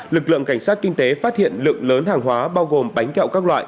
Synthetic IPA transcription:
lɨ˨˩k̚lɨ̰˧˨əŋka˧˩ŋsaː˦˥t̚kï˧ŋ̟t̪e˨˦faː˦˥t̚hḭ˧˨ənlɨ̰˧˨əŋləː˨˦nɦaː˨˩ŋɦwaː˨˦ɓaː˧wɣo˨˩mɓa˨˦jŋ̟ka̰˧˨wkaː˦˥k̚lwa̰ː˧˨jʔ

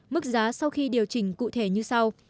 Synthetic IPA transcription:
mɨ˦˥k̚zaː˨˦sa˧wxi˧ɗi˨˩əwt͡ɕï˧˩ŋ̟kṵ˧˨t̪ʰe˧˩ɲɨ˧sa˧w

